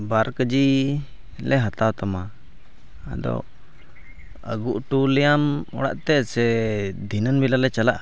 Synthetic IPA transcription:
baɾkəd͡ʒi | lɛɦat̪awt̪ama | a̰d̪ɔ̰ | ə̰ɡuʔʈulɛjamɔɽa̰ʔt̪ɛsɛd̪ʱinənbilalɛt͡ʃalaʔa

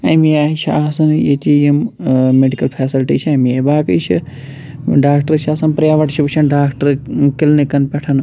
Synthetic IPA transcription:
ɐmiaːit͡ʃʰa̰ːɦɐsɐnjet̪ijɐmmeɖikɐlpʰeːsilʈit͡ʃʰiɐmebaːkɨt͡ʃʰi | ɖaːkʈɐɾt͡ʃʰaːsɐnpɾjaːʋɐʈʰt͡ʃʰibt͡ʃʰɐnɖaːkʈɐɾkilnikɐnpʲɛʈʰɐn

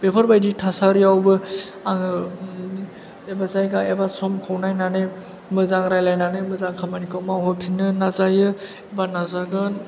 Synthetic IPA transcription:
b̥epʰaɾbajditʰasaɾiawbɯ | aŋɯ | ebazajɡaebasɔmkʰɔwnajnane | mɯzaŋɾajlajnanɯmɯzaŋkʰamanikawmawɦɔpʰinːɯnazajɯ | ebanazaɡɯn

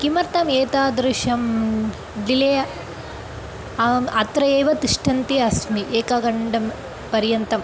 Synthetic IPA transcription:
kimɐɾt̪ɐmeːt̪aːd̪ɾɨʃɐm | ɖilɐjɐ | ɐt̪ɾɐeːʋɐt̪iʂʈʰɐnt̪iɐsmiʔeːkaɡɐɳɖɐm | pɐɾjɐnt̪ɐm

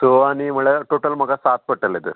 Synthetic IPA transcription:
soɐnimɐɭeʈoːʈɐlmɐɡɐsaːt̪̚pɐʈːɐlid̪ṵ

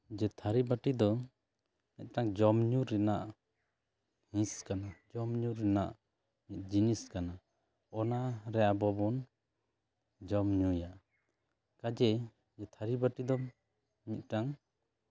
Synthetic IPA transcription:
d͡ʒɛt̪ʰaɾibaʈid̪ɔ | mit̪̚ˀʈaŋd͡ʒɔmɲuɾɛnaʔ | hĩskanad͡ʒɔmɲuɾɛna̰ʔ | mit̪̚ˀd͡ʒiniskana | ɔnaɾɛjabɔbɔn | d͡ʒɔmɲujaʔ | kad͡ʒɛ | d͡ʒɛt̪ʰaɾibaʈid̪ɔ | mit̪̚ˀʈaŋ

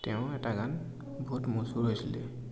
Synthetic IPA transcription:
tɛʊ̃ɛtaɡan | bʱutmusuɹɦojsilɛ

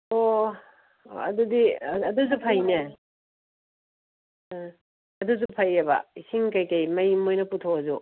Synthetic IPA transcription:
o | ɐ̰dudiɐdus̬upʰɐjne | ɐduzupʰajɐbɐ̰isiŋkɐjkɐjmɐjmojnɐputʰoɐzu

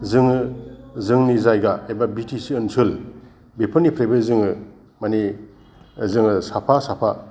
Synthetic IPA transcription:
zɯŋɯzɯŋnizajɡaebabitisiːnsʰɯl | bepʰɯnipʰɾejbɯzɯŋɯ | mani | zɯŋɯsapʰasapʰa

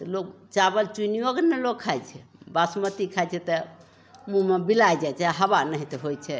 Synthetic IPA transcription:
t̪lok̚ | t͡ʃabəlt͡ʃuiniokenɛloɡkʰajt͡ʃʰɛbasmət̪ikʰajt͡ʃʰɛt̪ɔ | mũmebilajd͡ʒajt͡ʃʰɛaɦəbanəɦit̪ɔɦojt͡ʃʰɛ

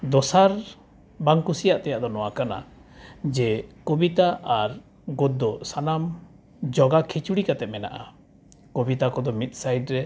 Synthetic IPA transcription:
d̪ɔsaɾ | baŋkusijaʔt̪ɛjaʔd̪ɔnɔwakana̰ | d͡ʒɛkobit̪aʔaɾ | ɡɔt̪̚ːɔsanam | d͡ʒɔɡakʰit͡ʃuɽikat̪ɛmɛna̰ʔa̰ | kobit̪akɔd̪ɔmit̪̚ˀsajɖɾɛ

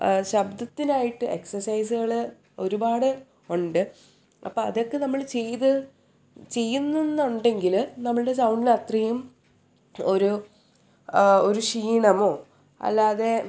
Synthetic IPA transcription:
ɕɐbd̪ɐt̪ːinaːjiʈːɨe̞ksɐrsɐjs̬uɣɐɭ | o̞ɾubaːɽɨ | uɳɖɨ | ɐ̰pːoːɐðo̞kːe̞nɐmːɐɭt͡ɕejt̪ɨ | t͡ɕe̞jːunːɐnːuɳɖe̞ŋɡilnɐmːɐɭɨɽe̞sɐwɳɖilɐt̪rɐjum | o̞ɾu | oɾuʂiːɳɐmo̞ː | ɐ̰lːaːðe̞

